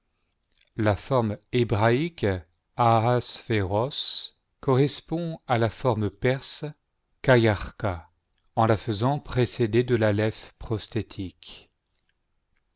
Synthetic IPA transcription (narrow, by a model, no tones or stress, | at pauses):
lafɔʁmebʁaik | aasfeʁɔs | kɔʁɛspɔ̃alafɔʁmpɛʁs | kajaʁka | ɑ̃lafəzɑ̃pχesed̪ed̪əlalɛfpχɔst̪et̪ʰik